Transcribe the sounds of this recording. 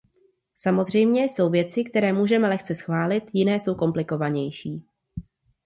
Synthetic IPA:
samo̞zr̝ɛjmɲɛso̞wvjɛt͡sɪkt̪ɛɾɛːmuːʒɛmɛlɛxt͡sɛsxvaːlɪt̪jɪnɛːso̞wko̞mplɪko̞vaɲɛjʃiː

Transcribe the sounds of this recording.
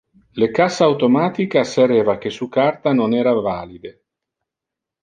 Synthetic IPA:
lekasːawt̪omaːt̪ikaseɾeːvakesukart̪anonɛːɾavaːlid̪e

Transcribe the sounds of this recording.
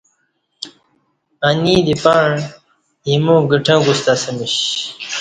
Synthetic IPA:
anid̪ipaɳ | imõːɡiʈʰãːɡust̪asəmiɕ

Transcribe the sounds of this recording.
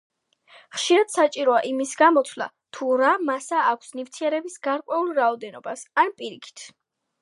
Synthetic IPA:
χʃiɾad̪̥sat͡ʃʼiɾɔaʔimisɡamɔt̪ʰvlˠa̰ | t̪ʰuɾamasaːkʷʰsnift̪ʰiɛɾɛbisɡaɾkʼwɛulˠɾaɔd̪ɛnɔbasanpʼiɾikʰi̥t̪ʰ

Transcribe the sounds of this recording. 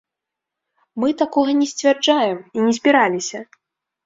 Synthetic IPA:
mɨt̪akɔɣɐnʲɛsʲt͡sʲvʲɛrd͡ʐajɛminʲɛzʲbʲiɾalʲisʲɐ

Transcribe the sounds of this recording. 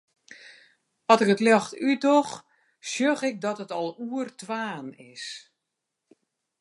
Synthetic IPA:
ɔtɪkətlɔxtydɔx | sjøɣɪk̚dɔtətɔlˠuərtʰʋaːnɪ̰s

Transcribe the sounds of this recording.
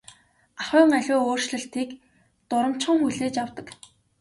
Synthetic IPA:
aχʊːŋaɮʲʊːoːrʃɮɘ̆ɬt̪ʰiːk | t̪ʊɾə̆m̥t͡ɕχə̆ŋxuɮeːt͡ɕawt̪ə̆k

